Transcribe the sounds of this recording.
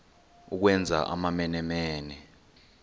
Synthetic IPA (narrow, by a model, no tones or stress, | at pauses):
uk̬wɛnd͡zʱa̰ʔa̰mamɛnɛmɛːnɛ